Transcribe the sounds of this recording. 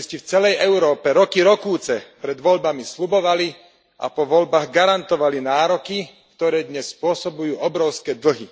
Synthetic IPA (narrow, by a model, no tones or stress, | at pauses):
scift͡sɛlɛjɛʊɾɔːpɛɾɔkiɾɔkuːt͡sɛpɾɛd̪ʋɔʎbamisʎubɔʋali | ʔa̰pɔʋɔʎbaːɣɡaɾant̪ɔʋalinaːɾɔki | kt̪ɔɾɛːd̪ɲɛsːpʊɔsɔbujuːɔbɾɔʊskɛːd̪l̩ɦi